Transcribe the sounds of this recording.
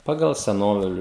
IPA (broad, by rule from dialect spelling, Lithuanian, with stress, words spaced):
ˈpɑːɡɐlˠ sʲɛˈnoːʋʲɪlʲʊ